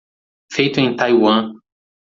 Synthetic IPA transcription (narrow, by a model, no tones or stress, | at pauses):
fejt̪ʊẽt̪ajwɐ̃